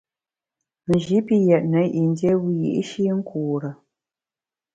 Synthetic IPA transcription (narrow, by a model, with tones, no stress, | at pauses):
m̩˨ʒi˨˦pi˦jɛ˨t̚nə˨˦ʔi˨n˦dje˦wi˦jḭ˨ʔʃi˦ŋ̩˦kʰuː˨ɾə˨